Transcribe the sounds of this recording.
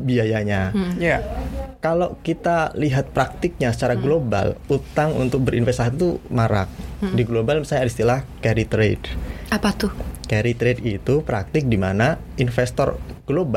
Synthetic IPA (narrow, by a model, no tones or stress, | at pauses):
biajaɲajakalokit̪aliɦat̪̚pɾak̚t̪ɪk̚ɲasə̥t͡ʃaɾaɡloba̰lut̪aŋṵnt̪ʊk̚bəɾinfɛst̪asit̪umaɾa̰k̚diɡlobalmisaɲadist̪ilahkɛɾit̪ɾḛdapat̪ʊhkɛɾit̪ɾedit̪upɾa̰k̚t̪ɪk̚dimana | infɛst̪ɔ̰rɡ̥loba